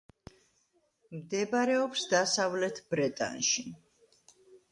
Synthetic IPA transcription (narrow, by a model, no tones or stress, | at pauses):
md̪ɛbaɾɛɔpsd̪asavlɛt̪ʰbɾɛt̪ʼa̰nʃi